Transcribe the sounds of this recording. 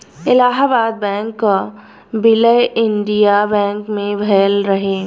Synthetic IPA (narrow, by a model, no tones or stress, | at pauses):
ɪlaːɦaːbaːd̪̚bɛ̃ːŋkːa | bɪləjʔɪ̃nɖijabɛ̃ːŋkmẽbʱɛːlɾɐɦeː